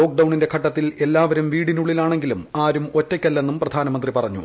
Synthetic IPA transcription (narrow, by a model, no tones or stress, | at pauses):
o̞ːk̚ɖɐwɳinde̞kʰɐʈːɐt̪ːile̞lːaːʋɐɾumʋiːɽinuɭːilaːɳe̞ŋɡilumaːɾumo̞tːɐkʲːɐlːe̞nːumprɐd̪ʱaːnɐmɐnd̪ripɐrɐɲːṵ